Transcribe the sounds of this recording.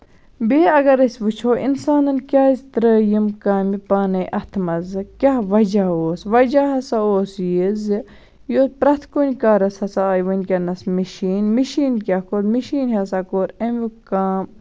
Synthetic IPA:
beːɐɡɐɾɐsʲʋut͡ʃʰoːʔḭnsaːnɐnkʲaːizt̪ɾəːjimkaːmipaːnɐjʔɐt̪ʰmɐzɨkʲaɦʋɐd͡ʒaoːsʋɐd͡ʒaɦɐsaoːsjiz | joːt̪̚pɾɐt̪ʰkonʲkaːɾɐshɐsaːjʋɐnʲkʲɐnɐsmiʃiːnmiʃiːnkʲakoːɾmiʃiːnɦɐsakoːɾɐmikaːm

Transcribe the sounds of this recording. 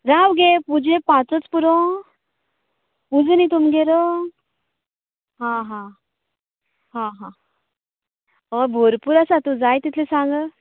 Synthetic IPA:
ɾaʋɡepud͡ʑʱẽpãt͡sət͡spuɾɔ | pud͡znit̪umɡeɾo | ɦãɦã | ɦãɦã | bʱoɾpuɾasat̪ud͡zajt̪it̪ʰlesãŋɡə

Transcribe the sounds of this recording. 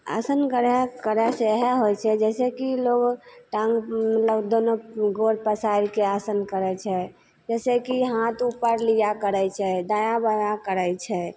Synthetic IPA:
a̰sənkəɾɛkəɾɛseɦɛɦojt͡ʃʰɛd͡ʒɛsɛkiloɡʈãŋɡmət̪ləbd̪onoɡoɾpəsaiɾkeasənkəɾɛt͡ʃʰɛ | d͡ʒɛsekiɦãt̪upːəɾlijakəɾɛjt͡ʃʰɛd̪ajãbəjakəɾəjt͡ʃʰɛ

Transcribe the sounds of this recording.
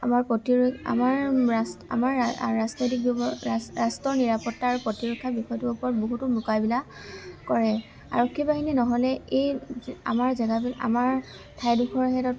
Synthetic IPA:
amaɹpɔtiɹa̰maɹsa̰maɹːasnotik̚b | astɔɹniɹapɔtːaɹupɹɔtiɹɔkʰːabixɔjɔtuupɔɹɔt̚boɦutʊmukabila | kɔɹɛ | a̰ɹɔkʰːibaɦininɔɦɔlɛeja̰maɹzɛɡabila̰maɹ | tʰajduxɔɹɦɛtɔt

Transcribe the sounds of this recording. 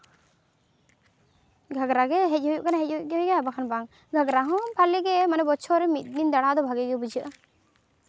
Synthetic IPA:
ɡʱaɡɾaɡɛɦɛc̚ˀɦujuʔkanaɦɛc̚uɡɦujɡɛabakʰanbaŋ | ɡʱaɡɾaɦɔ̃pʰaliɡɛmanɛbɔt͡ʃʰɔɾɛmit̪̚ˀnind̪aɽ̃aʔd̪ɔbʱaɡɛɡɛbud͡ʒəʔa

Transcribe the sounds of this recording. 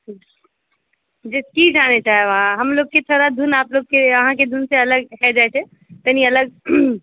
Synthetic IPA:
d͡ʒeskid͡ʒañet͡ʃaːɦeʋɦãɦəmloɡ̚ket̪ʰoɾad̪ʱunaːploɡ̚keəɦãked̪ʱunseələɡɦɛd͡ʒajt͡ʃʰɛ | t̪əniələɡ̚

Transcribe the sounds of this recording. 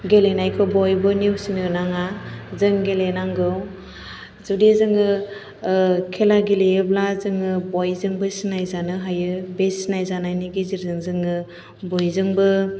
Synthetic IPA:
ɡelenajkʰɔbɔjbɯniwsiŋɯnaŋazɯŋɡelenaŋɡɯw | zudezɯŋɯ | kʰelaɡilejɯblazɯŋɯbɔjzɯŋbɯsinajzanɯɦajɯbesinajzanajniɡiziɾzɯŋzɯŋɯ | bɔjzɯŋbɯ

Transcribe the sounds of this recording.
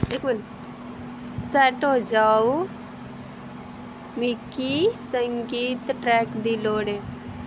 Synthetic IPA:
ekmən | sɛʈɦod͡ʒaːu | mikisəŋɡiːt̪ʈɾɛːkd̪iloːɽe

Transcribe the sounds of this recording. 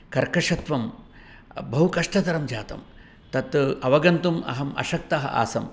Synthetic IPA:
kɐɾkɐʂɐt̪ʋɐm | bɐɦukɐʂʈɐt̪ɐɾɐmd͡ʒaːt̪ɐ̰m | t̪ɐt̪ɐʋɐɡɐnt̪umɐ̰ɦɐmɐ̰ʃɐk̚t̪ɐɦɐ̰ʔa̰ːsɐm

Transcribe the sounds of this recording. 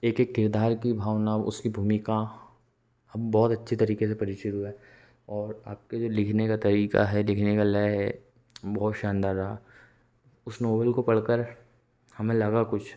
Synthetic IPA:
eːkeːkːɪɾd̪aːɾkibʱaːʋnaːʔʊ̰skibʱuːmɪkã | ɐbbɔːt̪ɐtːʃʰet̪ɐɾiːkes̬epɐɾɪʃʊɾuɛ | ɔːɾaːp̚ked͡ʒoːlɪkʰnekat̪ɐɾiːka̰ɦɛlɪkʰnekalajɦɛ | bɔːt̪ʃãːnd̪aɾa | ʊsnoːbəlkopɐɽkəɾ | hɐmẽlɐɡakʊt͡ʃʰ

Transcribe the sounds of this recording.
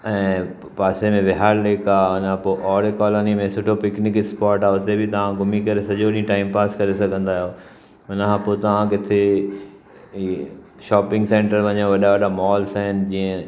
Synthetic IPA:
ɛ̃ː | paːsemẽʋɪɦaːlleːkaːʊnãpoʔɔːɾekɔːloːnimẽsʊʈʰopɪknɪkɪkspaːɾʈaːʊt̪ebʱɪit̪ɐʋ̤ãɡʊmikɐɾesɐʄoɗĩĩʈaːɪmpaːskɐɾesɐɡʱə̃nd̪aːɦjoː | ʊnɦãpoːt̪ɐʋ̤ãkɪt̪ʰe | ʃaːpɪ̃ŋɡsẽːɳʈəɾʋɐɲẽʋɐɗaʋɐɗamɔːlsaɦɪnɪ̆d͡ʑiːə̃

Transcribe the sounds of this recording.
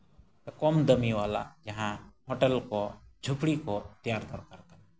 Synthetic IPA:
kɔmd̪əmiwala̰d͡ʒaɦãhɔʈɛlkɔd͡ʒʱupɽikɔt̪ijaɾd̪ɔɾkaɾkana

